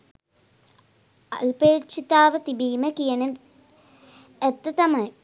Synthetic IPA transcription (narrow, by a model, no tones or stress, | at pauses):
ɐlpeːt͡ʃit̪aːʋɐt̪ibiːmɐkijɐnɐ | et̪ːɐt̪ɐmɐj